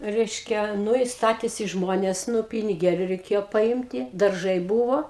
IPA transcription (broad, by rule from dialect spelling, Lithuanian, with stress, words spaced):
ˈrʲɛɪʃʲkʲɛ ˈnʊ ɪ ˈstɑːtʲeːsʲɪ ˈʒmoːnʲeːs ˈnʊ pʲɪnʲɪˈɡʲeːlʲʊ rʲɛɪˈkʲeːjoː pɐˈɪmʲtʲɪ dɐrˈʒɐɪ ˈbuːʋoː